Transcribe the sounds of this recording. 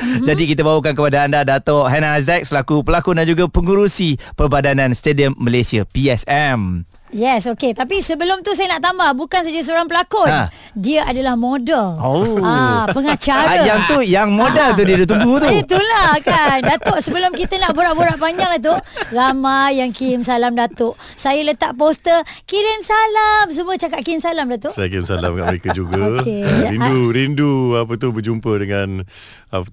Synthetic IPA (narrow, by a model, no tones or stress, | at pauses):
d͡ʒadikit̪̬abawuk̬ankəpadaandadat̪ɔʔɦɛnazɛk̚slakupəlakudand͡ʒuɡapəŋuɾusipərbadanãnst̪ediəmːəlesiapiɛsɛm | jɛsoket̪apisəbəlʊmt̪us̬ajənaʔt̪ambahbukans̬ad͡ʒas̬əoɾaŋpəlakʊ | diəʔadalahmodəloapəŋat͡ʃaɾaajaŋt̪ujaŋmodalt̪̬udiadut̪̬uŋɡut̪uit̪ulahkandat̪oʔsəbəlʊmkit̪ənaʔboɾaʔboɾaʔpaɲd͡ʒaŋt̪̬uramajaŋkiɪmsalamdat̪ʊʔ | sajələt̪aʔpost̪əkiɾɪmsalams̬umuət͡ʃakaʔ̪̚kimsalamdat̪oʔsajəkiɾimsa̰la̰mkaʔməɾekad͡ʒuɡaeinuɾinduapət̪ubəd͡ʒumpədəŋan | a